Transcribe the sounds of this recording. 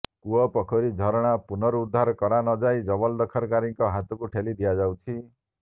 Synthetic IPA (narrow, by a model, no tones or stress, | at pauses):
kuɔpɔkʰɔɾid͡ʒʱɔɾɔɽ̃apunɔɾuːd̪ʱːaɾɔkɔɾanɔd͡ʒajd͡ʒɔbɔld̪ɔkʰɔɾkaɾiŋkɔɦat̪ɔkuʈʰelid̪ijad͡ʒawt͡ʃʰi